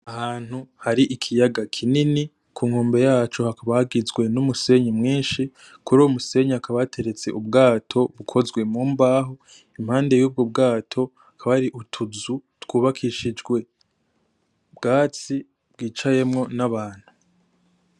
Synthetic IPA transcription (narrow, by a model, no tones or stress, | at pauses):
ahaːn̥huhaɾiʔikʰijaɡakʰinini | kʰuːŋhoːmbe̞jaːt͡ʃohakaβahaɡizɡwe̞numuse̞ɲimŋiːnʃi | kuɾuumuse̞ɲakaβatʰe̞ɾe̞t͡seʔubɡaːtʰo̞βukʰo̞zɡwe̞muːmbaːɦo | im̥haːnde̞juːb̚ɡob̚ɡaːtʰo̞ | akʰaβaɾiʔutʰuzutwuːβakʰiʃid͡ʒɡwe̞ | bɡaːt͡si | b̥̚ɡiːt͡ʃaje̞mŋo̞naβaːn̥hu